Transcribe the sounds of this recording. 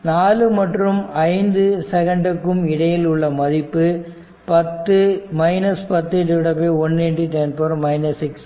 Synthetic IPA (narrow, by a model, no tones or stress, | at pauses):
naːlɯmɐʈrɯmɐɪnd̪ɯsɛɣɐɳɖɯkːɯmɪɽɐjɪlʊɭːɐmɐðɪpːɯ | pɐt̪ːɯmɐɪnɐspɐt̪ːɛʈːɯɪɽɐpːeɔnːɛʈːɯʈɛnpɐɾmɐɪnɐsɪks